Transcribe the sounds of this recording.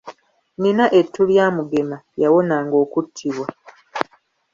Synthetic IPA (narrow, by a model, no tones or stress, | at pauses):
ninaʔe̞tːuljaːmuɡe̞majawo̞naːŋɡo̞ːkutʰːiβwa